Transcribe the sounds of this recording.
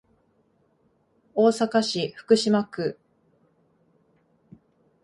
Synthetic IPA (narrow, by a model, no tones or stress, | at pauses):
o̞ːsakaɕiɸɯ̟̥kɯ̟ɕimakɯ